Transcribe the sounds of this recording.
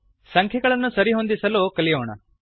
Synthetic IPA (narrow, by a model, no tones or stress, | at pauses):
sɐŋkʰɛɡɐɭɐnːusɐɾiɦond̪isɐlokɐlijoːɳɐ